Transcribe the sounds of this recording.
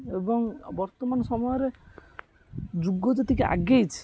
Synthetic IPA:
ebɔŋbɔɾt̪omansɔmɔjɔɾe | d͡ʒuɡːod͡ʒet̪ikeʔa̰ɡejt͡ʃʰi̥

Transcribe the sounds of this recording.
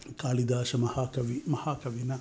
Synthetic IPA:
kʰaːlid̪aːʃɐmɐhakɐʋimɐhaːkɐʋinɐ

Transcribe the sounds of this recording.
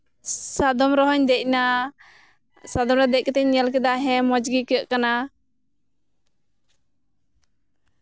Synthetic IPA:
sad̪ɔmɾɔɦɔɲd̪ɛc̚ˀna | sad̪ɔmɾad̪ɛc̚kɛt̪ɛɲɲɛlk̬ɛd̪aɦɛ̃mɔd͡ʒɡikɛəʔkana

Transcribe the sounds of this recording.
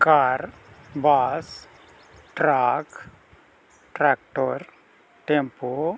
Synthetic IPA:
kaːɾ | bas | ʈɾak | ʈɾak̚ʈoɾ | ʈempo

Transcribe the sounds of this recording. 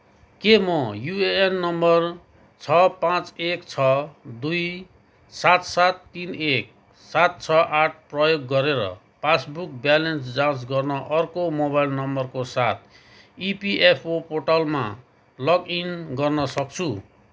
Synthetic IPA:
kemʌjueenːʌmbʌr | t͡sʰʌpãt͡sekt͡sʰʌd̪uj | sat̪sat̪ːinek̚ | sat̪̚t͡sʰʌʔaʈ̚ʰprʌjoɡːʌɾeɾʌ̰ | pasbuk̚bjalensd͡zãs̬ɡʌrnʌʔʌrkomobailnʌmbʌrkosat̪̚ʰ | ipiʔepʰopoʈalma | lʌɡinɡʌrnʌsʌk̚t͡sʰu

